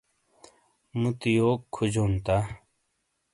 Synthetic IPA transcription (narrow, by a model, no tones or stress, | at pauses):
mut̪ijoːkʰːud͡ʑoːnt̪a